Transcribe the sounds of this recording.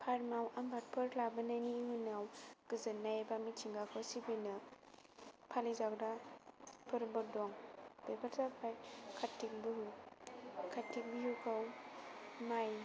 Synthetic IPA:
pʰaɾmawambʱat̚pʰɯɾlabɯnajniŋunawɡ̥ɯzɯnːajebamit͡ʃʰiŋɡakʰɔwsibinɯ | pʰalizak̚da | pʰɯɾbɯɾ̚dɔŋb̥ebaɾsapʰajkʰatːik̚bɯɦu | kʰatːik̚bijukʰaw | maj

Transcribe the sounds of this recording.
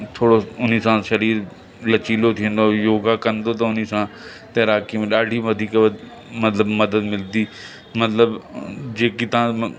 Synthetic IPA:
t̪ʰoːɽoʊn̤isãʃɐɾiːɾ | lɐt͡ɕiːlot̪ʰiə̃nd̪ojoːɡakɐ̃nd̪ot̪̬ɐʊnisã | t̪ɐːɾaːkimẽɗaːɖʱiʋɐd̪ʱiːk | mɐt̪ləbmɐd̪əd̪mɪld̪iː | mɐt̪ləbd͡ʑeːkit̪ɐã

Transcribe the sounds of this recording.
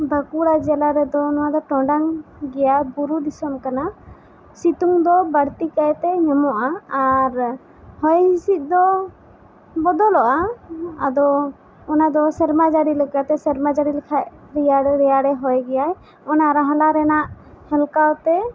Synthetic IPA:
bʱakuɾad͡ʒɛlaɾɛd̪ɔnɔwad̪ɔʈɔɖaŋɡɛjabuɾud̪isɔmkana | sit̪uŋd̪ɔbaɽt̪ikajt̪ɛɲɔmɔʔaːɾ | hɔjhisit̪̚ˀd̪ɔ | bɔd̪ɔlɔʔaː | d̪ɔː | nad̪ɔsəɾmad͡ʒaɾiləkat̪ɛsəɾmad͡ʒaɽiləkʰaʔ | ɾɛaɾɛjaɽɛɦɔjɡɛjaj | ɔnaɾaɦalaɾɛnaʔ | hɛlkawt̪ɛ

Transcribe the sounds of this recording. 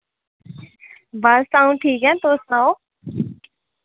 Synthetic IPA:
bəsaːũʈʰiːkɦɛ̃nt̪oːsnãːo

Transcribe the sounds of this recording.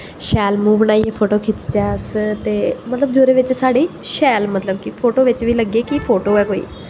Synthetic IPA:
ʃɛːlmũːʋənaːiɛːpʰoːʈoːkʰɪt͡ʃd͡ʒɛːst̪eːmət̪ləbd͡ʒoːɾeːʋɪt͡ʃsaːɖeːʃɛːlmət̪ləb̚kɪpʰoːʈoːʋɪt͡ʃʋiːləɡeːkipʰoːʈoːɛːkoːḭː

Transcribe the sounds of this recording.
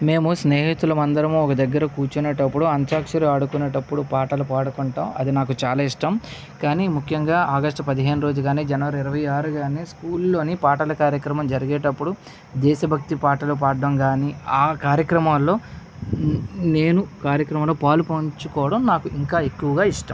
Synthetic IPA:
me̞ːmusneːɦit̪ulɐmɐnd̪ɐɾɐmuɔkɐd̪ɐɡːɐɾɐkuːɾt͡ʃuneːʈɐpːuɽuɐnt̪jaːkʂɐɾiaːɽukuneːʈɐpːuɽupaːʈɐlupaːɽukuɳʈaːmɐ̰d̪inaːkut͡ʃaːlaːiʂʈɐm | kaːnimukʰjɐŋɡaːʔaːɡɐʂʈpɐd̪iɦe̞ːnuɾo̞ːd͡ʒuɡaːniːd͡ʒɐnɐʋɐɾiiɾɐʋɐjaːɾuɡaːniskuːlːo̞ːnipaːʈɐlɐkaːɾjɐkɾɐmɐmd͡ʒɐɾiɡeːʈɐpːuɽu | d̪ɛːʃɐbʱɐk̚t̪ipaːʈɐlup̬aːɖːɐmɡaːniaːkaːɾjɐkɾɐmaːlːo̞ː | ne̞ːnukaːɾjɐkɾɐmɐmloːpaːlupoɲt͡ʃukɔːʋɐɽɐmnaːkuʔiŋkaːe̞kːuʋɐɡaːiʂʈɐ̰mm

